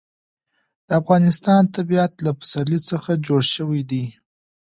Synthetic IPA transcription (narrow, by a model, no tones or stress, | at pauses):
d̪̥əafɣɑnɪst̪ɑnt̪abiat̪lapḁsaɾlit͡səxad͡ʒoɽʃəwijd̪i